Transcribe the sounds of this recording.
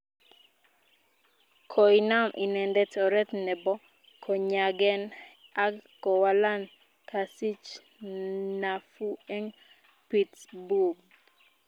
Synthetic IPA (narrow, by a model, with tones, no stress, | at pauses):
kʰɔ˨ina˦mʔi˨nɛ˨ndɛ˦tɔ˨ɾɛ˦t̪nɛ˨bɔ˦ | kʰɔ˨ɲaɡɛ˦na˦kːɔ˨wala˦n | kʰa˨si˦t͡ʃ | na˨fu˦ɛ˦ŋ | pitsbu˨ɡ